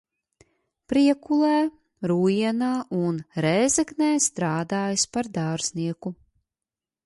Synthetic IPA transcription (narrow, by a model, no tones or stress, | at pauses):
pɾiɛkulˠɛː | ɾuːiɛnaːʔunɾɛːzɛɡnɛːst̪ɾaːd̪aːjspaɾd̪aːɾzniɛku